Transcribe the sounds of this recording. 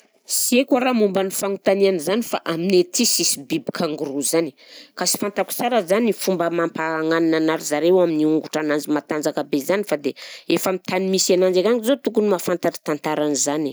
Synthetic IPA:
siekaɾamumbanifaŋut̪anianizanifaʔaminet̪isisibibikʰaŋɡuɾuzani | kasi̥fant̪aku̥t͡saɾazanifumbəmampaːŋaninanaɾizaɾewaminiuŋɡuʈ͡ʂanand͡zimat̪and͡zakəbezanifad̪eefamit̪animisanand͡ʒekaŋizot̪ukunimafant̪aʈ͡ʂi̥t̪ant̪aɾanizani

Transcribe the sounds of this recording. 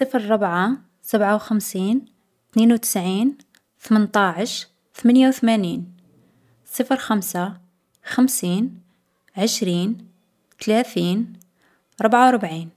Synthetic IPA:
sˤəfɾɾˤʊbʕa | sabʕawxəmsiːn | t̪ninwt̪ə̥sʕiːn | t̪əmənt̪ˤɑʕəʃ | t̪əmænjawt̪mæniːn | sˤəfɾxæmsa | xəmsiːn | ʕəʃɾiːn | t̪læt̪iːn | ɾˤʊbʕawɾˤbʕiːn

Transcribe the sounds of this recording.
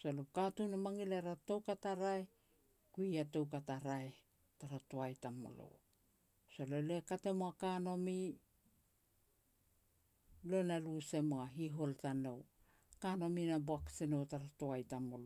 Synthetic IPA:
salokatunamaŋileɾato̞wkataɾae | kuiato̞wkataɾae | taɾatoajtamo̰lo̞̰ | salolekate̞moakano̞mi | lo̞naluse̞moaɦiɦo̞ltano̞w | kano̞minaboaksino̞wtaɾatoajtamolo

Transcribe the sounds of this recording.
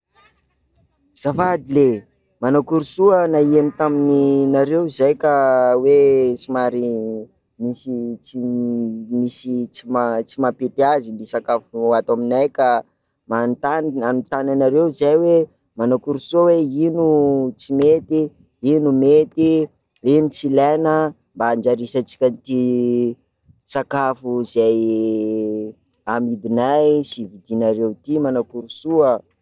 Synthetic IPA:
z̥afad̪ile | manakuɾusuənaiemit̪amininaɾewizajkawet͡simaɾi | misit͡si | misit͡simat͡simapet̪iazilisakafuat̪aminajka | mant̪ananut̪ananaɾewzajwe | manakuɾusuaweinut͡simet̪i | inumet̪i | enit͡silanə | mbaːnd͡ʒaɾisat͡si̥kʲant̪i | sakafuzaj | amid̪inajsivid̪inaɾewt̪imanakuɾusuə

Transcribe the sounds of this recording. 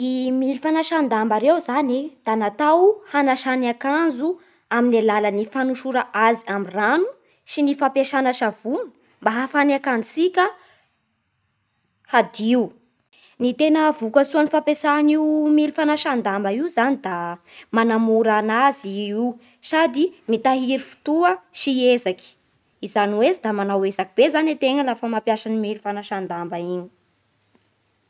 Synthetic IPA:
imilifanaʃand̪ambaɾewzanid̪̥anat̪awhanaʃanakand͡zu | aminalalənifanuʃuɾaʔaziamiranu | sinifapeʃanaʃav̥unə̥ | mbaɦafaniakand͡zisikʲə | had̪iu | nit̪enəvukəsuanifapesaniumilifanaʃand̪ambəiwzanid̪a | manamuɾanazii | sad̪imit̪aɦiɾifu̥t̪uəʃiezaki̥ | izaniwezid̪amanawezakib̥ezanet̪eŋəlafəmapjaʃanimilifanaʃand̪ambəiɲi̥

